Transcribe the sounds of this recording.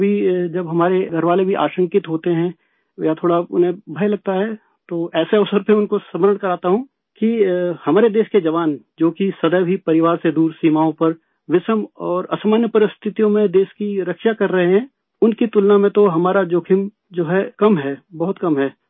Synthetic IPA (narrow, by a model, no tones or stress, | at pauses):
bʱid͡ʒɐbɦɐmaːɾeɡʱɐɾʋaːlebʱiʔa̰ːʃə̃ŋkɪt̪ɦoːt̪eɦɛ̃ | jat̪ʰoːɽaʊ̰nɦẽbʱɐjlɐɡ̚t̪aɦɛː | t̪oːʔɛːseɐʋsəɾpeʊnkosɐməɾəɳ̃kɐɾaːt̪aɦũ | kihɐmaːɾed̪eːʃked͡ʒɐʋaːnd͡ʒoːkisɐd̪əjbʱipɐɾɪʋaːɾsed̪uːɾsiːmaːõpɐɾ | ʋɪsəmɔːɾɐsamənjəpɐɾɪst̪ʰɪt̪ijõmẽd̪eːʃkiɾɐkʃakɐɾːɐɦeɦɛ̃ː | ʊnkit̪ʊlnamẽt̪oɦɐmaːɾad͡ʒoːkʰɪm | d͡ʒoːɦɛkɐmɦɛːbɐɦʊt̪kɐmɦɛː